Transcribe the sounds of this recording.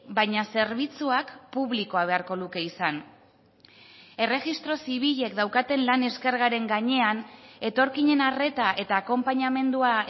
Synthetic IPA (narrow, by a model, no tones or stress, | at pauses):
bajɲase̞ɾβit͡suakpuβlikoaβ̞e̞aɾko̞luke̞isan | e̞re̞ɣist̪ɾo̞siβ̞iʎe̞kd̪awkat̪e̞nlane̞ske̞ɾɣaɾe̞ŋɡaɲe̞ane̞t̪o̞ɾkiɲe̞nare̞t̪aʔe̞t̪aːko̞mpaɲame̞nd̪ua